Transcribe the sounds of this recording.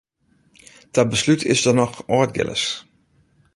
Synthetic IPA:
d̥abəslytʰɪ̰sdɔnɔxɔːd̚ɡɪ̰lə̰s

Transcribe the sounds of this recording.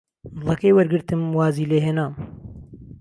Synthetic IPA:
d̪ɨlˠɐkɐjwɐɾɡɨɾt̪ɨmwaːziːleːɦeːnaːm

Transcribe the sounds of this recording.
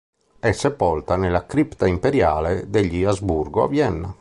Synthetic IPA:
ɛsɛpːɔlt̪anɛlakɾipt̪aimpeɾja̰ːlɛd̪eʎːiazbuɾɡoa̰vjɛnːa

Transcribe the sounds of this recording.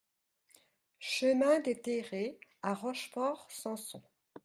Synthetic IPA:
ʃəmɛ̃d̪et̪eʁeaʁɔʃfɔʁsɑ̃sɔ̃

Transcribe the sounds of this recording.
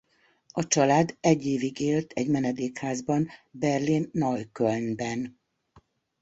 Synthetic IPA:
ɒt͡ʃɒlaːd̪ɛɟːeːviɡeːlt̪ʰɛɟmɛnɛd̪eːkhaːzbɒnbɛrlinːɒjkølnbɛn

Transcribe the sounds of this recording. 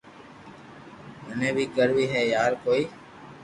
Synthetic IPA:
ɦənẽːbʱiːɡəɾʋiːɦɛːjaːɾkoːiː

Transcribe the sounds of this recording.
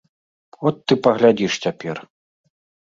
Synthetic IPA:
ɔt̪ːɨpɐɣlʲad͡zʲiʂt͡sʲapʲɛr

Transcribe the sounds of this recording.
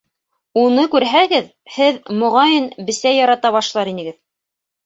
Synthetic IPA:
unɤkʉɾɦæɡɘð | hɘðmŏʁɑjɤnbɘ̆sæjɑɾɑt̪ɑβɑʃlˠɑɾinɘ̆ɡɘð

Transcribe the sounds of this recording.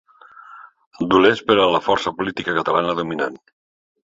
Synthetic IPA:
d̪ulespəɾələfɔɾsəpulit̪ikəkət̪əlanəðumina̰n

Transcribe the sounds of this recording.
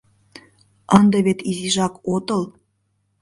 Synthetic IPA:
ənd̪ɤβet̪iziʒɑkot̪ɤl

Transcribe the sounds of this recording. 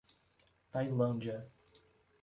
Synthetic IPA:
t̪ajlɐ̃nd͡ʒiɐ

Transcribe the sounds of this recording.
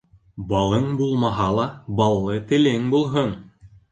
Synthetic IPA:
bɑlˠɤɴbulˠmɑɦɑlˠɑbɑlˠːɤt̪ɘ̆lɘŋbulˠɦɤɴ

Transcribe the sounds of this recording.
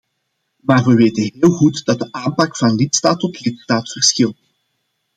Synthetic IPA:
maːrʋəʋeːtənɦɦeːlˠɣutd̥ɑt̚dəʔaːmpɑkfɑnlɪtstaːtɔtlɪtstaːtfərsxɪlˠt

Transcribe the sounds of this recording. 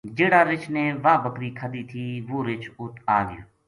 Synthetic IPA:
d͡ʒeːɽaːɾɪt͡ʃneːʋaːbəkɾiːkʰəd̪iːt̪ʰiːʋoːɾɪt͡ʃʰʊt̪ʰaːʋɪjo̰ː

